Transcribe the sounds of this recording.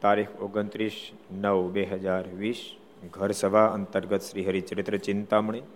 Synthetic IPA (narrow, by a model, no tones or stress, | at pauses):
t̪aɾixʰoɡənt̪ɾiʃ | nəʋbeɦəd͡ʒaɾʋiːʃ | ɡʱəɾsəʋʱaənt̪əɾɡət̪ʃɾiɦəɾit͡ʃəɾɪt̪ɾət͡ʃɪnt̪amɳi